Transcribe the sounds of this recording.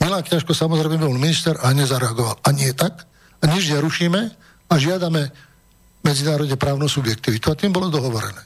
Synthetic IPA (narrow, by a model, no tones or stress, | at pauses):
milaːkɲaʃkɔsamɔzɾɛjmɛbiɔlminist̪ɛɾʔaɲɛzaɾɛaɡɔʋalaɲɪɛt̪ak | aɲɛʒɪɛɾuʃiːmɛ | aʒɪad̪amɛ | mɛd͡zinaːɾɔd̪ɲɛpɾaːʊnusubjɛk̚t̪iʋit̪uat̪iːmbɔlɔd̪ɔɦɔʋɔɾɛ̰nɛː